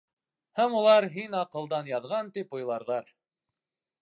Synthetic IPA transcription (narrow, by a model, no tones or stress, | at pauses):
hæmulˠɑɾɦinɑqɤ̆lˠd̪ɑnjɑðʁɑnt̪ipŏjlˠɑɾðɑɾ